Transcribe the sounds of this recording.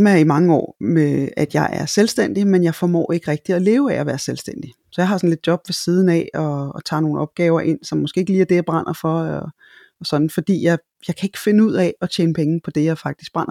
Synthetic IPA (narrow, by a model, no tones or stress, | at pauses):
smæɐɐimɑ̈ŋəɒ̰ːmeæd̥jɑ̈ɪʔæɐselsd̥en̰d̥imenjɑ̈ɪfɒmɔ̰ːe̝ɡ̥əʁɛɡ̥̚d̥iɒle̝ːʊææʋæːɐselsd̥en̰d̥i | sɒjɑ̈ɪɦɑ̈sɒn̩le̝d̥̚djɒ̽b̥ʋe̝siːð̞ˠn̩ɛɒ̽ːt͡sʰɑ̰̈ːno̝ːn̩ɒ̽b̥̚ɡ̥ɛːʊɐʔe̝n̰sɒ̽mːɔsɡ̥e̝̰ːeɡ̥əliːɐd̥e̝jɑ̈b̥ʁɑn̰ʔɐfɒ̽ɒ | ɒsɒ̽d̥n̩fɒ̽d̥ḭːjɑ̈ɪ | jɑ̈ɪkʰæe̝ɡ̥fe̝nəuð̞̰ˠɛɒ̽t͡ɕʰeːnpʰeŋn̩pʰɒ̽d̥e̝jɑ̈ɪfɑ̈ɡ̥̚d̥isɡ̥̚b̥ʁɑ̈n̰ʔɐ